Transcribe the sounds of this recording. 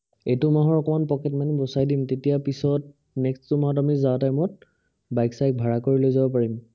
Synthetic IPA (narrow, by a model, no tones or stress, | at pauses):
etʊmaɦɔɹɔkɔmanpɔkɛtmanibɔsajdimtetijapisɔt̚ | nɛkstʊmaɦɔt̬amizawtajmɔt̚ | bajksajk̚bʱaɹakoɹilojzabɔpaɹim